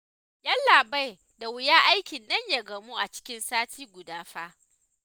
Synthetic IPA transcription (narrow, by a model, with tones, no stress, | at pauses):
jɐ˦nlaː˨ba˦j | da˨wɪ˨jaː˦ʔa˦jkʲɪ˨nːɐ˦ɲja˨ɡɐ˨mu˦ʔa˨t͡ʃɪ̥˦kʲɪ˦nsaː˦tʰiː˦ɡʷʊ˨daː˦ɸa˦ʔ